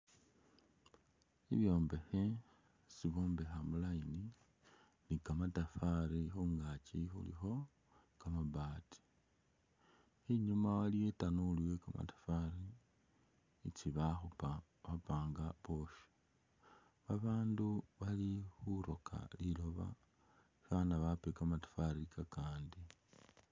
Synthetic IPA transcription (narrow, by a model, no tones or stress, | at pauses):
ḭβjo̞ːmbe̞xe | siβo̞ːmbe̞xamulajini | nikamatafaɾixuŋɡat͡ʃixṵlḭxo̞ | kamaβaːtʰi̥ | iɲumawaliwetanuliwekama̰tḁfaɾi | t͡siβaxupa | βapaːŋɡaβo̞ʃi̥ | βaβaːnduβalixuɾo̞kʰa̰lilo̞βa̰ | ʃanaβapekamatḁfaɾikakaːndi